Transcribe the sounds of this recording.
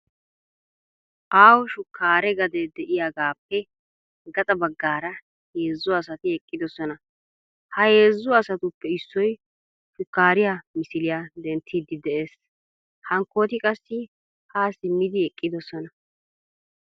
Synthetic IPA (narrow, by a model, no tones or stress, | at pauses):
ʔaːwʃʊkːaːɾɛɡɐd̪ɛd̪ɛʔɪjaɡaːpːɛ | ɡɐt̪ʼɐbɐɡːaːɾɐ | he̞ːzːʊɐsɐt̪ɪɛkʼːɪd̪ɔsɔnɐ | hɐhe̞ːzːʊɐsɐt̪ʊpːɛɪsːɔj | ʃʊkːaːɾɪjamɪsɪlɪjad̪ɛnt̪ʰːiːd̪ːɪd̪ɛʔeːs | hɐŋkːo̞ːt̪ɪkʼɐsːɪ | haːsɪmːɪd̪ɪɛkʼːɪd̪ɔsɔnɐ